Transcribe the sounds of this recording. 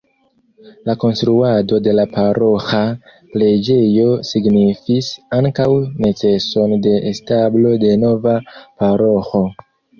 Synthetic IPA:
lako̞nstɾuado̞de̞lapaɾo̞xa | ple̞d͡ʒe̞jo̞siɡnifisaŋkawne̞t͡se̞so̞nde̞ʔːstablo̞de̞no̞vapaɾo̞xo̞

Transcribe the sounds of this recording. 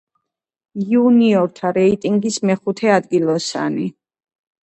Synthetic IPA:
iuniɔɾt̪ʰaɾɛit̪ʼiŋɡismɛχut̪ʰɛad̪ɡilˠɔsa̰ni

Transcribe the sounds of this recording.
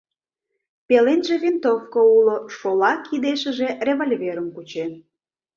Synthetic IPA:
pelenʒevʲint̪ofkouloʃolɑkid̪eʃə̆ʒerʲeβolʲveɾəmkut͡ɕen

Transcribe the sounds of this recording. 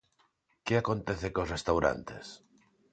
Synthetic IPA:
keakont̪eθekosrest̪awɾa̰nt̪es

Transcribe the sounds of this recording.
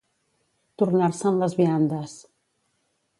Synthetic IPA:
t̪urnarsəːmləzβiand̪əs

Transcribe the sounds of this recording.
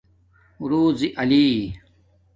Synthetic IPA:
ɾuːziʔɐliː

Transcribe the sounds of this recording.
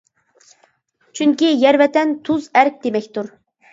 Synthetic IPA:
t͡ʃʰyŋkʲijɛɾvɛt̪ɛnt̪ʰuzæɾk̚ʲd̪emɛkʲt̪uɾ

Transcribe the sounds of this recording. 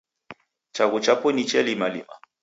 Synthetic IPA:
t͡ʃaɣut͡ʃapɔnit͡ʃɛlimalḭma̰

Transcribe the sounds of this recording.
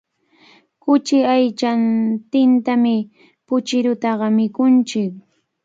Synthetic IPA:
kʊt͡ʃɪajt͡ʃant̪ɪnt̪amɪ | pʊt͡ʃɪɾʊt̪ɑɢɑmɪkʊnt͡ʃɪk

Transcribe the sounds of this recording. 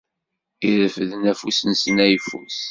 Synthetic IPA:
iðəfəðənæfusənsənæjfṵs

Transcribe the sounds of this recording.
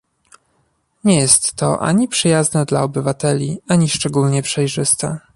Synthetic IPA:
ɲɛjɛst̪ːɔ̰ʔa̰ɲipʂɘjaznɛd̪laɔbɘvat̪ɛlʲiaɲiʂt͡ʂɛɡulɲɛpʂɛjʐɘst̪ɛ

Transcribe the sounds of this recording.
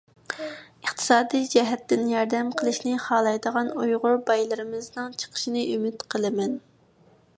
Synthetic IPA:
əχt̪ʰɨ̥sɑːd̪ijd͡ʒɛɦɛt̪ːɪnjɑɾd̪ɛmqʰəlˠɨʃnɨχɑːlˠɑjd̪əʁɑnujʁʊɾbɑjlˠɨɾɨmɨznɨŋt͡ʃʰə̥qʰə̥ʃinɨʔymyt̪qʰəlˠɨmɛn

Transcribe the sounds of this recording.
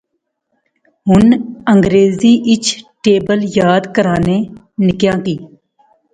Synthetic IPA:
ɦʊnəŋɡɾeːziːʔɪt͡ʃʰʈeːbəljaːd̪kəɾãːnẽː | nɪkjãːkiː

